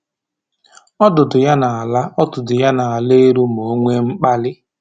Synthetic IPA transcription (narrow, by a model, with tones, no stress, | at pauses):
ɔ˦dʊ˨dʊ˨ja˦na˨a˨la˦ɔ˦tʊ˨dʊ˨ja˦na˨a˨le˦e˦ɾu˦m˨o˨˦ŋʷe˦ŋ͡m̩˦k͡pa˦lɪ˦